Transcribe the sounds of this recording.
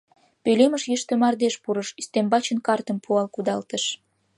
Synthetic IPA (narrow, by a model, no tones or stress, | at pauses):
pøleməʃjəʃt̪ĕmɑrd̪eʃpuɾəʃyst̪embɑt͡ɕənkɑrt̪ə̆mpʰuɑlkud̪ɑlt̪əʃ